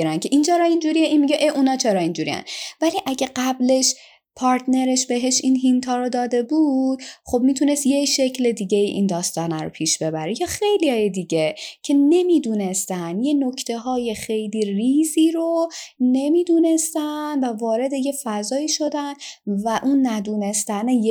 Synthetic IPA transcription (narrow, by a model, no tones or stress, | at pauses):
ɾæncʰe̞ʔint͡ʃʰeɾɒind͡ʒuɾijeʔinmiɟeʔeʔunɒːt͡ʃʰeɾɒind͡ʒuɾḭjæ̰nvæliʔæɟæɢæble̞ʃ | pʰɒːɾt̪ne̞ɾeʃbe̞ɦe̞ʃinɦint̪ʰɒːɾod̪ɒːd̪e̞buːd̪̥χo̞bmiːt̪ʰune̞st̪jeʃe̞cʰle̞d̪iɟe̞iʔind̪ɒːst̪ɒːnæɾo̰pʰiːʃb̥e̞bæɾejɒːxe̞jlijɒːjed̪iɟecʰe̞ne̞miːd̪une̞st̪ænjeno̞cʰt̪ʰe̞ɦɒːje̞xe̞jliːriːziːɾone̞miːd̪uːne̞st̪ænvævɒːɾe̞d̪e̞je̞fæzɒːiːʃo̞d̪ænvæʔunːæd̪uːne̞st̪ænej